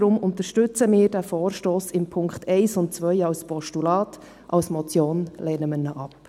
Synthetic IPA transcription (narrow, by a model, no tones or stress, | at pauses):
ɾʊmʊnt̪əɾʃtʏt͡səmɪːɾdæfɔːɾʃtoːsɪmpʰʊŋkχtɛɪsʊntt͡sʋœjɑwspɔʃtulɑːt | ʔɑwsmɔt͡sjoːnlɛːnəmənəʔɑp